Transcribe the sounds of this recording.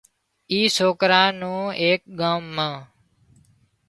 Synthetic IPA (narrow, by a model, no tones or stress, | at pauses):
iːsoːkɾãːnũːeːk̚ɠãːmːãː